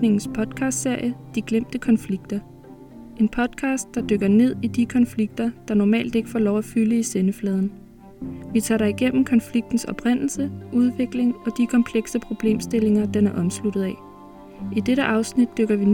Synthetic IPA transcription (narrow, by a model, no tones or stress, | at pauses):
ne̝ŋn̩spʰɒ̽d̥kʰɑ̈ːsd̥se̝ɐ̰jəd̥iɡ̥lem̰d̥əkʰɒ̽nfliɡ̥̚d̥ɐ | e̝npʰɒ̽d̥̚kʰɑ̈ːsd̥ɑ̈d̥øɡ̥ɐne̝ð̞̰ˠid̥ikʰɒ̽nfliɡ̥d̥ɐd̥ɑ̈nɒmɛ̰ːld̥e̝ɡ̥ə̥fɒ̰ːlɒʊæfyləisenəflɛːð̞ˠn̩ | ʋit͡sʰɑ̰̈ːɾɑ̈iɡ̥en̰m̩kʰɒ̽nfliɡ̥̚d̥n̩sɒ̽b̥ʁen̰l̩səʔuð̞ˠʋe̝ɡ̥le̝ŋɒ̽d̥ikʰɒ̽mpʰleɡ̥səpʰʁo̝b̥le̝̰ːmsd̥e̝le̝ŋɐd̥enæɐʔɒ̽mslud̥ð̩ˠɛ | ʔid̥eɾəʔɑ̈ʊsnid̥̚ːøɡ̥ɐʋi